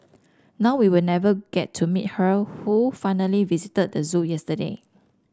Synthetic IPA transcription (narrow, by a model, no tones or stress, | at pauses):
naʊwiwilnɛvəɡ̥ɛtʰːumit̚həhufajnəlivizitəd̚dəzũjɛstədḛ